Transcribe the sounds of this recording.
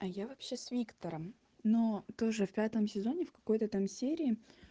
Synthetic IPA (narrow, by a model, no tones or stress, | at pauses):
ɐjavɐpɕesvʲikt̪əɾəm | not̪o̞ʐɨfpʲat̪əmsʲɪzo̞nʲɪfkɐ̥ko̞jt̪ət̪amsʲeɾʲɪː